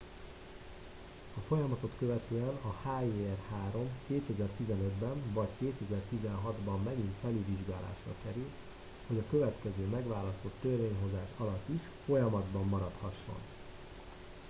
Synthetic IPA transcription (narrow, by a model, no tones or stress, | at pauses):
ɒfo̞jɒmɒt̪o̞t̪køvɛt̪øːɛnɒhaːiːɛrhaːɾo̞mkeːt̪ɛzɛrt̪izɛnød̪bɛɱvɒckeːt̪ɛzɛrt̪izɛnɦɒd̪bɒmːɛɡint̪fɛlyviʒɡaːla̰ːʃrɒ̰kɛɾyl | ho̞ɟɒkø̞vɛt̪kɛzøːmɛɡʋaːlɒst̪o̞t̪ːørveːɲɦo̞zaːʃɒlɒt̪ːiʃ | fo̞jɒmɒd̪bɒmːɒɾɒt̪hɒʃːo̞̰n